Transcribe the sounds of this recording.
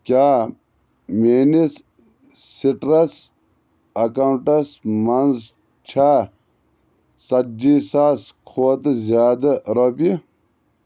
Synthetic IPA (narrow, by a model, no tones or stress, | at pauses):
kaː | menis | siʈɾɐs | ɐkawuɳʈɐsmɐnz | t͡ʃʰaː | sɐd͡ʒiːsaːskʰoːt̪zjaːd̪ɐɾoːpi